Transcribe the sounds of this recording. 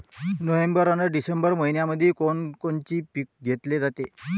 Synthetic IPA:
nəʋembəɾanəɖisəmbəɾməɦinjaməd̪ʱːjekoɳkont͡ɕiːpik̚ɡʱet̪led͡zat̪e

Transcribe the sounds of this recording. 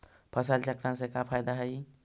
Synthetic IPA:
pʰəsəlt͡ʃəkɾansekapʰajd̪aɦəj

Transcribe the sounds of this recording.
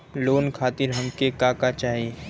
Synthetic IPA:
loːnkʰaːt̪ɪɾɦɐ̃ŋkekaːkat͡ʃaːɦie

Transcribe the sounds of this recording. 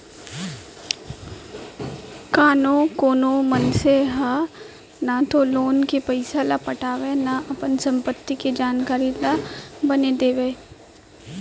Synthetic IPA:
kaːnõkoːnõmənseɦa | nat̪oloːnkepəɪsalapɐʈaːʋenaʔɐpənsɐ̃mpət̪ːiked͡ʒaːnkaːɾilabɐned̪eːʋeː

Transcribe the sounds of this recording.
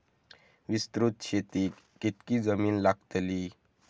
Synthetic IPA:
ʋist̪ɾut̪ɕet̪iː | kit̪kiːd͡zəmiːnlaɡt̪li

